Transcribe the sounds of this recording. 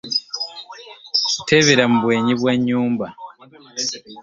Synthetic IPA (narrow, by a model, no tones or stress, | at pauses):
citʰeβeɾamuβwe̞ːɲiβweɲːuːmba